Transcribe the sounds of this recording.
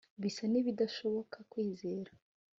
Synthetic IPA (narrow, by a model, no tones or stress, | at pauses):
βisaniβidaʃo̞βo̞kʰakwiːze̞ːɾa